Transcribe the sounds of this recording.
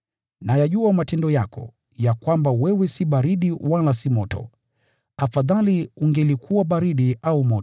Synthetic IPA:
najaʄuamatɛndɔjakɔ̰ | jakwambawɛwɛsiɓaɾiɗiwalasimɔtɔ̰ | afaðaliuŋɡɛlikʰuwaɓaɾiɗiʔaumɔtɔ

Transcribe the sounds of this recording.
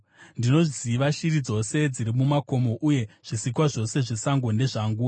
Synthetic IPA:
ndino̞ʐiziʋaʃirid͡zo̞se̞d͡ziɾimumako̞mo̞ʔuje̞ʐ̥isikwaʐo̞se̞ʐesaŋɡone̞ʐaŋɡuːa

